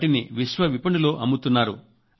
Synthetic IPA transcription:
ʈiniʋiʃʋɐʋipɐɳɖulo̞ːʔɐmːut̪unːaːɾṵ

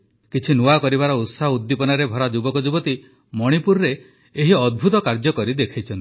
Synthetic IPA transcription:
kit͡ʃʰinuakɔɾibaɾɔut̪saɦud̪ːipɔnaɾebʱɔɾad͡ʒubɔkɔd͡ʒubɔt̪i | mɔɽ̃ipuɾɾeː | ɦiɔd̪̚bʱut̪ɔkaɾd͡ʒɔkɔɾid̪ekʰajt͡ʃʰɔnt̪i̥

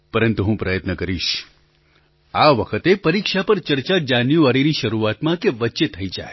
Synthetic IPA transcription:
pəɾənt̪uɦũpɾəjət̪nəkəɾiʃ | aʋəkʰət̪epəɾikʃapəɾt͡ʃəɾt͡ʃad͡ʒanjũaɽeniʃəɾuat̪mãkeʋətːʃet̪ʰəid͡ʒa̰e

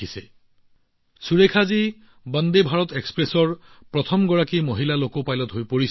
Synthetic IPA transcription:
ise | suɹekʰazi | band̪ebʱaɹɔt̪ekspɹesɔɹpɹɔt̪ʰɔmɡɔɹakimoɦilalokopajlɔt̪ɦojpoɹis

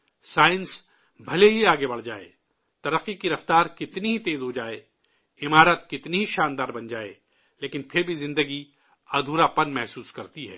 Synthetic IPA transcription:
saːɪns | bʱɐleɦiaːɡebɐɽ̤d͡ʒaːḛː | t̪ɐɾəqːikiɾɐft̪aːɾkɪt̪niɦit̪eːzɦod͡ʒaːeː | ɪmaːɾət̪kɪt̪niɦiʃãːnd̪aːɾbɐ̃nd͡ʒaːḛː | leːkɪnpʰɪɾbʱizɪ̃nd̪əɡi | ɐd̪ʱuːɾapɐnmɛɦsuːskɐɾt̪iɦɛ̰ː

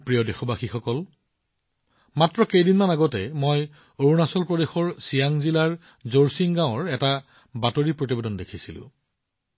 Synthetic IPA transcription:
pɹijɔdexɔbaxixɔkɔl | matɹɔkejdinmanaɡɔtɛmoj | oɹunasɔlpɹɔdexɔɹsijaŋzilaɹ | zoɹsiŋɡaw̃ɔɹɛta | batoɹipɹotibedɔndekʰisilʊ̰̃

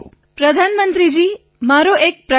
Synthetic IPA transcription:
pɾəd̪ʱanmənt̪ɾid͡ʒi | maɾoʔek̚pɾə

